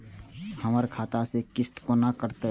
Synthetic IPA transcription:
həməɾkʰaːt̪asekɪst̪konakəɾt̪e

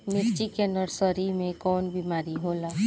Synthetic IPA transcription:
mɪɾt͡ʃikenəɾsɔɾimẽkɔːnbimaːɾiɦoːlaː

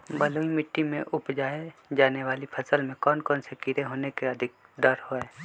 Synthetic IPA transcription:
bəloːimɪʈːimḛ̃ʔʊpd͡ʒaːed͡ʒaːneʋaːlipʰəsəlmẽkɔːnkɔːnsekɪɾeɦoːnekeəd̪ʱɪk̚ | d̪əɾhoɛː

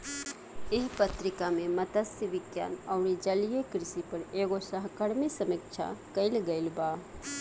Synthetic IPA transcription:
eɦpət̪ɾɪkamẽmət̪əsiʋɪɡja̰ːnəʊɾed͡ʒəlijekɾɪsipəɾeːɡosəɦkəɾmisəmik̚t͡ʃʰa̰kəɪlɡəɪlba

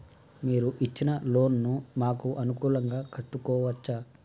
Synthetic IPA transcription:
miːɾuʔit͡ʃːinɐlo̞ːnːumaːkuʔɐnukuːlɐŋɡaːkɐʈːukɔːʋɐt͡ʃːaː

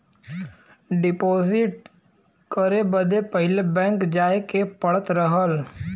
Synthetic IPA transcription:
ɖɪpoːzɪʈ̚ | kəɾebəd̪epəɦɪlebɛ̃ːŋkd͡ʒaːekepəɽət̪ɾəɦəl

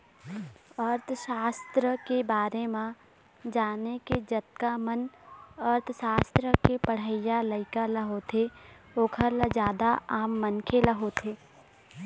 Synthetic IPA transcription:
əɾt̪ʰʃaːst̪ɾəkebaːɾemã | d͡ʒaːneked͡ʒət̪̚kamənəɾt̪ʰʃaːst̪ɾəkepəɽ̤əɪjaləɪkalɐɦot̪ʰe | oːkʰəɾləd͡ʒjaːd̪aaːmːənkʰeləɦot̪ʰeː

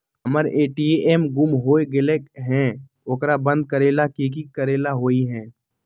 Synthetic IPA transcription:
ɐməɾeːʈieʔeːmɡʊmɦoːeɡɪlekɦɛ̃ː | ʊkɾabɐ̃nd̪̚kəɾeːlakiːk̬ikəɾeːlaɦoːiɦɛ̃ː

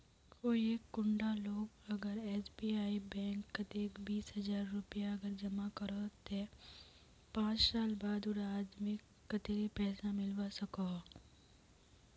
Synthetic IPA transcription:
koːieːkːʊ̃ɳɖaloːɡɐɡəɾɛːsbiːaːibɛ̃ːŋkːɐt̪eːkbiːsɦɐzaːɾːʊpjaɐɡəɾd͡ʒɐmakɐɾt̪e | pãːt͡ʃsaːlbaːd̪ʊɽaːd͡ʒmẽ | kɐt̪eɾepɛːsamɪlʋasɐka

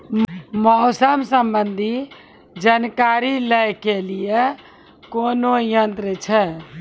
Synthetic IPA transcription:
mɔɦsəmsəmbənd̪ʱi | d͡ʒankaɾiləjkelije | konojənt̪ɾət͡ʃʰɛ

